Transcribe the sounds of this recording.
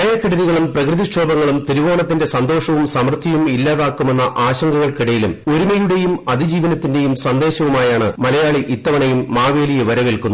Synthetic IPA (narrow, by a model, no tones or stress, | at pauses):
ɐjɐkːiɽɐðiɣɐɭumprɐkrɨðiɕʈːo̞ːbɐŋːɐɭumt̪iɾiʋo̞ːɳɐt̪̬ːinde̞sɐnd̪o̞ːʂɐʋumsɐmrt̪ʰːijumilːaːðaːkːume̞nːɐʔaːɕɐŋɡɐɣɐɭkiɽɐjilumoɾumɐjuɽe̞jumɐðid͡ʑiːʋɐnɐt̪ːinde̞jumsɐnd̪e̞ːɕɐʋumaːjaːɳɨmɐlɐjaːɭiʔit̪ːɐʋɐɳɐjumːaːʋe̞ːlijɐʋɐɾɐʋeɭkunːu